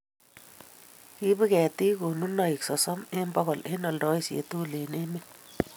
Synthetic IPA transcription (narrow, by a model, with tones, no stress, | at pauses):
ki˦bi˦kɛ˨ti˦ko˨nu˦na˨i˨ksɔ˨sɔ˦me˦mbɔ˦ɣɔ˨le˦nɔ˨ldɔ˨˦i˦sḛ˨tu˦le˨ne˦mi˦